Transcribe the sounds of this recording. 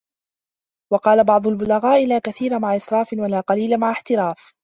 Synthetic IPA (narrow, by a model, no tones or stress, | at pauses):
wɑqɑːlabɑʕd̪ˤʊlbʊlaɣaːʔɪlaːkaθiːɾamaʕaʔɪsɾˤɑːfɪwalaːqɑliːlamaʕaħt̪ɪɾaːf